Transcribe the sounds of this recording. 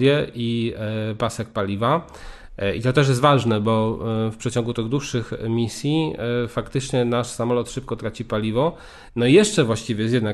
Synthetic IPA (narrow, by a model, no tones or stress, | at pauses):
jɛʔipasɛk̚palʲiva | ḭt̪ɔt̪ɛʂ̬jɛst̪vaʐnɛbɔfpʂɛt͡ɕɔŋɡut̪ɘɣd̪wuʂːɘxmʲisʲjifakt̪ɘt͡ʂɲɛnaʂsamɔlɔt̪ʂɘp̚kɔt̪ɾat͡ɕipalʲivɔ | nɔijɛʂt͡ʂɛvwaɕt͡ɕivʲɛjsjɛd̪na